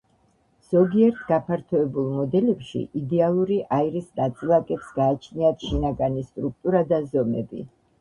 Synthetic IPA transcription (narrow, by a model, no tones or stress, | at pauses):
z̥ɔɡiɛɾt̪ʰɡapʰaɾt̪ʰɔɛbulˠmɔd̪ɛlɛpʃḭʔid̪ɛalˠuɾiʔaiɾisnat̪sʼilˠakʼɛpsɡaːt͡ʃʰniat̪ʰʃinaɡanist̪ʼɾuk̚t̪ʼuɾad̪azɔmɛ̰bḭ